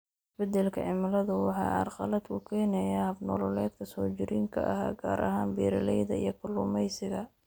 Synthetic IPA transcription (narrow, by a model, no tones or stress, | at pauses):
ɪsbɛd̪ɛlkʰɐʕɪmɐlɐðʊwɑħɑ̰ːɑ̰rqɑ̰lɐd̪kʰʊkʰɛːnɛjahɐbnɔːlɔlɛːd̪kʰɐsɔːt͡ʃɪɾiːŋkʰɐ̰ʔɐ̰ɦa̰ːɡaːɾɐ̰ɦaːnbiːɾɐlɛjðɐijɞkʰʊlʊmɛjsɪɣɐ